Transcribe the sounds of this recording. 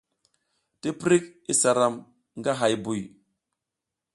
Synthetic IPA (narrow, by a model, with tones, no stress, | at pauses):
ti˦pɾi˦kḭ˦sa˨ɾa˨m | ŋɡa˦ɦa˨jbu˨j